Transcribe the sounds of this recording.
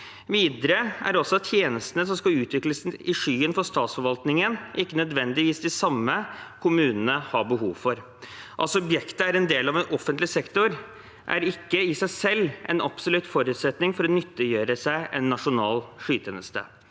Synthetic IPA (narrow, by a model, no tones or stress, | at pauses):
ʋiːd̪əɾəæ̰ɾɔsɔɑt̪t̪ːʰjeːnəst̪ənəs̬ɔmskɑlʉːt̪ʰʋɪkləsɪʂyːənfɔʂt̪ɑːt̪sfɔɾʋɑlt̪nɪŋənʔɪkːənœd̪ʋɛnd̪ɪʋiːsd̪ɪsɑmːəkʰʊmʉːnənəhɑbəɦuːʋfɔɾ | ʔɑsɔɔbjɛkt̪əæɾɛnd̪eːlɑʋɛnʔɔfːənt̪lɪsɛkt̪ʊɾ | ʔæ̰ɾɪkːəɪsæɪsɛlːʔɛ̰nɑpsɔlʉt̪fɔɾʉːt̪sɛt̪nɪŋfɔɾɔnʏt̪ːəjøːɾəsæɪʔɛnːɑʂʊnɑːlʂyːt̪ʰɛnəst̪ʰə̰